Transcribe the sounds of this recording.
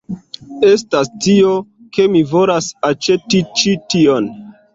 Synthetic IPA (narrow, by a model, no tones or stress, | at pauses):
e̞stastio̞ | ke̞mivo̞lasat͡ʃe̞tit͡ʃitio̞n